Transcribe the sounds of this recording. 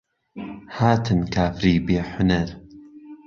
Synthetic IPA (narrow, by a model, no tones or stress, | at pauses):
haːt̪ʰɨnkʰaːfɾiːbeːħʊnɐɾ